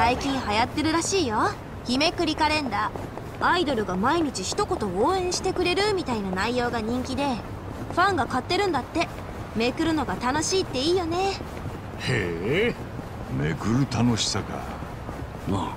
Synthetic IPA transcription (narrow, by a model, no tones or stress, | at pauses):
saikʲĩɰ̃hajat̪ːe̞ɾɯ̟ɾaɕiːjo̞ | çime̞kɯ̟ɾʲikaɾẽ̞nd̪aː | aid̪o̞ɾɯ̟ɡamaiɲ̟it͡ɕiçi̥t̪o̞ko̞t̪o̞oːẽ̞ɰ̃ɕi̥t̪e̞kɯ̟ɾe̞ɾɯ̟mʲit̪ainanaijo̞ːɡaɲ̟ĩŋkʲid̪e̞ | ɸãŋɡakat̪ːe̞ɾɯ̟̃nd̪at̪ːe̞ | me̞kɯ̟ɾɯ̟no̞ɡat̪ano̞ɕiːt̪ːe̞iːjo̞ne̞ | he | mḛkɯ̟ɾɯ̟t̪ano̞ɕi̥saɡa̰ | ma